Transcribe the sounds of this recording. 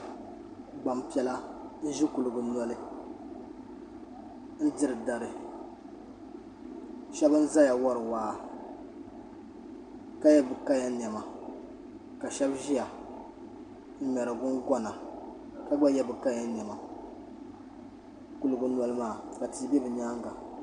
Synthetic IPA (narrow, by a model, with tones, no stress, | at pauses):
ɡ͡ba˨m˨pi˨ɛ˦la˦n̩˦ʒi˦ku˨lɨ˨ɡʊ˨nɔ˦lɨ˦ | n̩˦dɪ˦ɾɨ˨da˨ɾɨ˨ | ʃɛ˦bɨ˦n̩˦za˦ja˨wɔ˦ɾɨ˨waː˨˦ | ka˦jɛ˦bɨ˨ka˦ja˦n˨ɛ˨ma˨ | ka˨ʃɛ˦bʒi˦ja˨ | m̩˦mɛ˨ɾɨ˨ɡʊ˦nɡɔ˦na˨ka˦ɡ͡ba˦jɛ˦bɨ˨ka˦ja˦n˨ɛ˨ma˨ | ku˨lɨ˨ɡʊ˨na˨lɨ˦maː˦˨ka˨ti˨˦bɛ˦bɨ˨ɲa˦ŋɡa˨